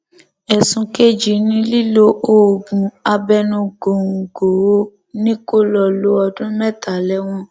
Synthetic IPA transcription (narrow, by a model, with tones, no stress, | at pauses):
ɛ˨sũ˨˧ke˦d͡ʒi˨nĩ˦li˦lo˦ʔo˦˨ɡũ˨a˧bɛ˦nũ˧ɡo˨ũ˨ɡo˨o˦ | nĩ˦ko˦lɔ˧˨lo˦ɔ˧dũ˦mɛ̃˦˨ta˨lɛ˦w̃ɔ̃˦